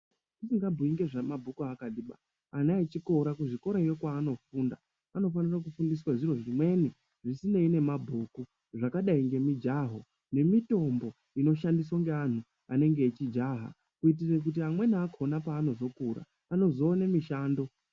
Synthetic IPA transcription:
isiŋɡabʱuiŋɡe̞ʐamabʱukuaːkaɗiɓa̰ː | naet͡ʃiko̞ɾakuʐiko̞ɾaijo̞kwaːno̞fuːnda | ano̞fanirak̬ufundiswaʐiro̞ʐimwe̞ni | ʐisine̞ine̞mabʱuku | ʐakaɗaiŋɡe̞mid͡ʒaɦo | ne̞mito̞mbo̞ | ino̞ʃandis̬waŋɡe̞an̤u | ane̞ŋɡe̞ːt͡ʃid͡ʒaːɦa̰ | kuit̬irek̬ut̬iamwe̞nakʰonapaːno̞zo̞kuɾa̰ːno̞zo̞ːnemiʃaːndo̞

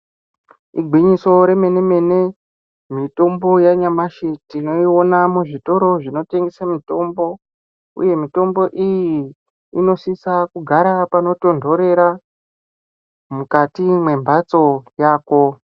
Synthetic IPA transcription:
iɡʱwiɲiso̞ɾe̞me̞ne̞me̞ne | mito̞mbo̞jaɲamaʃitino̞ionamuʐito̞ɾo̞ʐino̞te̞ŋɡesamito̞mbo̞ | ṵje̞mito̞mbo̞ʔijiː | no̞sisakuɡʱaɾapano̞to̞ndʱo̞ɾe̞ɾa | mukatimwe̞mbʱat͡so̞jaːko̞

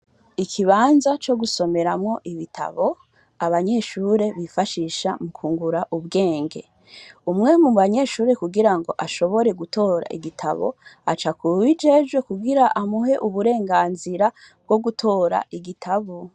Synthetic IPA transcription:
ikʰiβaːnzat͡ʃo̞ɡuso̞me̞ɾamŋo̞ʔiβitʰa̰βo̞ | aβaɲe̞ʃuːɾe̞βifaʃiːʃa̰mukʰuːŋɡuɾaʔuβɡe̞ːŋɡe̞̰ | umŋe̞muβaɲe̞ʃuːɾe̞kuɡiɾaŋɡo̞̰ʔaʃo̞βo̞ɾe̞ɡutʰo̞ːɾa̰ʔḭɡitʰa̰βo̞̰at͡ʃakuwid͡ʒe̞ʒɡwe̞kuɡiɾaʔamuɦe̞ʔuβuɾe̞ːŋɡaːnziɾa | b̥̚ɡo̞ɡutʰo̞ːɾa̰ʔiɡitʰaβo

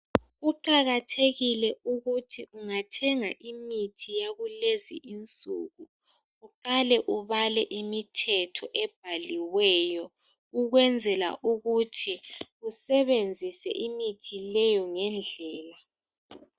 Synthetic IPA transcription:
uǃaɣatʰeɣilɛuɣutʰiʔuŋatʰɛŋaʔimitʰijaɣulezḭʔint͡sʼuɣu | uǃalɛʔuβalɛʔimitʰɛtʰɔʔɛb̥ʱaliwɛːjɔ | uɣwɛnd͡zʱɛla̰ʔuɣutʰiɣusɛβend͡zʱisɛ̰ʔimitʰilɛjɔŋɛnd͡ɮʱɛːla

